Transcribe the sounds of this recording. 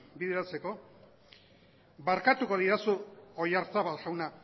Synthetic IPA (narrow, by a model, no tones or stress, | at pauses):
biðe̞ɾat͡se̞ko̞ | baɾkat̪uko̞ðiɾasuo̞jaɾt͡saβalʝawna